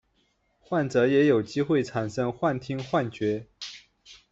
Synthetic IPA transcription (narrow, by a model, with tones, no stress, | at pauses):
xwa˥˩nt͡sɤ˧˥jɛ˧˥jo˨˩ʊt͡ɕi˥xwe˥˩ɪʈ͡ʂʰa˨˩nʂɤ˥ŋxwa˥˩nt̪ʰi˥ŋxwa˥˩nt͡ɕɥɛ˧˥